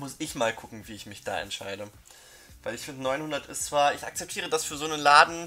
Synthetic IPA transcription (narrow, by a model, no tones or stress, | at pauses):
mʊsɪçmaːlkʰʊkŋ̩viːɪçmɪçd̥a̰ːʔɛ̰ntʃaɪdə | v̥aɪlɪçfɪndənɔʏnhʊndɐtɪst͡sv̥aːɐɪçak̚t͡sɛp̚tʰiːʁ̞ədasfyːɐzoːnənlaːdn̩